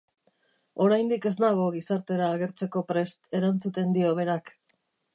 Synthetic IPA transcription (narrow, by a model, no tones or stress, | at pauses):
o̞ɾajnd̪ike̞zd̪aɣ̞o̞ɣ̞isaɾt̪e̞ɾaːɣe̞ɾt͡se̞ko̞pɾe̞st̪e̞ɾant͡sut̪e̞nd̪io̞β̞e̞ɾak